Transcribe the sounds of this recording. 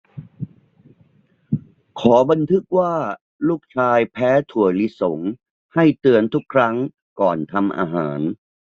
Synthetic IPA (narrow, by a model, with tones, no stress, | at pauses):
kʰɔː˩˦ba˧nt̪ʰɯ˦˥k̚waː˥˩ | luː˥˩k̚t͡ɕʰaː˧jpʰɛː˦˥t̪ʰu˨˩əjli˦˥so˩˦ŋ | ha˥˩jt̪ɯ˧ənt̪ʰu˦˥kʰːɾa˦˥ŋ | kɔː˨˩nt̪ʰa˧mʔa̰ː˧ɦaː˩˦n